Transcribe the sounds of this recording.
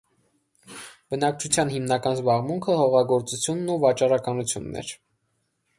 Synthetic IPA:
b̥ənɑk̚t͡ʃʰut͡sʰjɑnɦimnɑkɑnzbɑʁmuŋkʰəhɔʁɑɡɔɾt͡sut͡sʰjunːuvɑt͡ʃɑrɑkɑnut͡sʰjṵnːɛ̰ɾ

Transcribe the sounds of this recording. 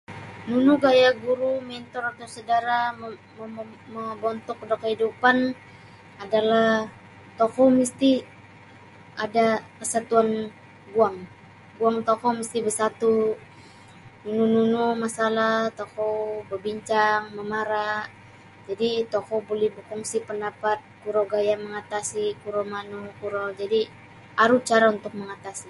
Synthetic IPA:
nunuɡajaɡuɾumɛnt̪ɔɾat̪usədaɾa | ə | məbɔnt̪ɔk̚dokəhidupan | adalah | t̪ɔkomist̪i | ʔadakəsat̪uan | ɡuaŋ | ɡuaŋt̪ɔkoməst̪ibəsat̪u | nunununumasalat̪okobəbiɲt͡ʃaŋməmaɾa | d͡ʒadit̪okobolɛhbəkuŋsipəndapat̪̚kuɾoɡajaməŋat̪asikuɾomanukuɾod͡ʒadi | aɾut͡ʃaɾaunt̪ʊk̚məŋat̪asi

